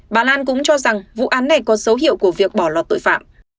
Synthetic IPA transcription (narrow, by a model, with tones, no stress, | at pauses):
ɓaː˨˩laː˧nkʊ̰˧˥ŋ͡mt͡ɕɔ˧za˨˩ŋvṵ˧˨ʔaː˨˦nːa˨˩jkɔ˨˦sə˨˦wɦḭ˧˨əwku˧˩əvi˨˩ək̚ɓɔ˧˩lwaː˨˩t̪o̰˧˨jfa̰ː˧˨m